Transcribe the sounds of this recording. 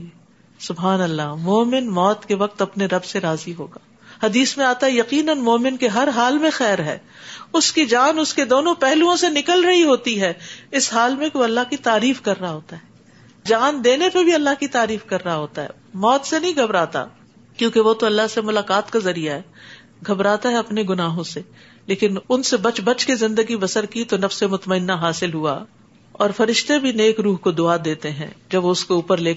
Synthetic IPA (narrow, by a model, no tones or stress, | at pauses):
sʊbɦaːnɐlːamoːmɪnmɔːt̪keʋɐq̚t̪ɐpneɾɐbseɾaːziɦo̰ːɡaː | hɐd̪iːsmẽaːt̪aɦɛjɐqiːnənmoːmɪnkeɦɐɾɦaːlmẽxɛːɾɦɛ̰ː | ʊskid͡ʒaːnʊsked̪oːnõpɛɦluõsenɪkəlɾɐɦiɦoːt̪iɦɛːɪsɦaːlmẽkeoɐlːaɦkit̪aːɾiːfkɐɾːaɦaɦoːt̪aɦɛː | d͡ʒaːnd̪eːnepebʱiɐlːaɦkit̪aːɾiːfkɐɾːaɦaɦoːt̪aɦɛ̰ː | mɔːt̪senɐɦĩɡʱɐbɾaːt̪a̰ | kjõːkeʋot̪oɐlːaɦsemʊlaːkaːt̪kazɐɾijaɦɛː | ɡʱɐbɾaːt̪aɦɛɐpneɡʊnaːɦõse | leːkɪnʊnsebɐt͡ʃbɐt͡ʃkezɪ̃nd̪əɡibɐsəɾkit̪onɐfsemʊt̪məɪnːaɦaːsɪlɦua̰ | ɔːɾfɐɾɪʃt̪ebʱineːkɾuːɦkod̪ʊad̪eːt̪eɦɛ̰̃ːd͡ʒɐbʋoʊskouːpəɾleː